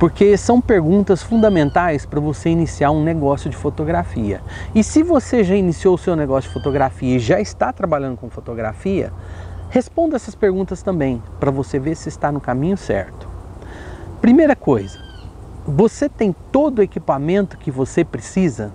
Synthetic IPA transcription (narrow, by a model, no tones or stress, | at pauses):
poɾkesɐ̃w̃peɾɡũnt̪ɐsfũnd̪ɐmẽnt̪ajspɾɐvoseinisiaɾũneɡɔsjʊd͡ʒɪfot̪oɡɾafiɐ̰ɪsɪvoseʒainisiowʊsewneɡɔsjʊd͡ʒɪfot̪oɡɾafiɐɪʒaɪst̪at̪ɾabaʎɐ̃nd̪ʊkõfot̪oɡɾa̰fiɐ̰hespõnd̪ɛsɐspeɾɡũnt̪ɐst̪ɐ̃mbẽj̃pɾɐvoseveɾsɪːst̪anʊkamĩɲʊsɛ̰ɾt̪ʊ̥ | pɾimejɾɐkojzɐ | voset̪ẽj̃t̪od̪ʊekipamẽnt̪ʊ̥kɪvosepɾesizɐ